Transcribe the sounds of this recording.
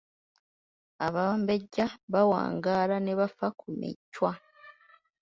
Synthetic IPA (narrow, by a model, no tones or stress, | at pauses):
aβambeɟːaβawa̰ːŋɡaːɾaneβafakumḭcːwa